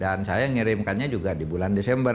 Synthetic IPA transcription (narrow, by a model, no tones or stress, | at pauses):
dansajaŋiɾɪmkanɲad͡ʒuɡadibulandesɛmbər